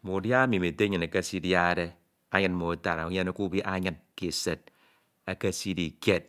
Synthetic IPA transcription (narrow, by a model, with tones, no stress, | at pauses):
mo˨dja˦mi˨me˨te˦ɲɨ˨ne˨ke˦si˦dja˦˨de˦ | a˦ɲɨ˦nmo˨ta˨ɾa˨u˦ɲe˦ne˦ku˦bi˦ʔa˦ɲɨ˦nki˨se˨t̚ | a˨ke˦si˦di˨ke˦˨t̚